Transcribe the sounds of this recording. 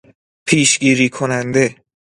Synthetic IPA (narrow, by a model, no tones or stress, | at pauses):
pʰiːʃɡiːɾiːkʰonænd̪e̞